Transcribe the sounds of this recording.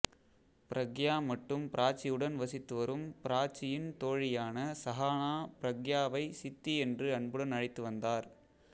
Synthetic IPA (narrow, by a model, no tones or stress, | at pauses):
pɪɾʔɐɡjaːmɐʈːɯmpɪɾʔaːt͡ʃɪjɯɽɐnʋɐsɪt̪ːɯʋɐɾɯmpɪɾaːt͡ʃɪjɪnt̪oːɻɪjaːnɐsɐɦaːnaːpɪɾɐɡjaːʋɐɪsɪt̪ːiɛndrɯɐɳbɯɽɐnɐɻɪt̪ːɯʋɐnd̪aːɾ